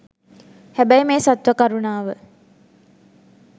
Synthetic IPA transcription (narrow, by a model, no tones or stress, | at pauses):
hæbæjmeːsat̪ʋakaɾunaːʋə